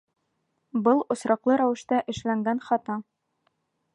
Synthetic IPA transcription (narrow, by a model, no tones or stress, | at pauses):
bɤlˠŏsɾɑqlˠɤɾæwɘ̆ʃt̪æʔɘ̆ʃlæŋɡænχɒt̪ɑ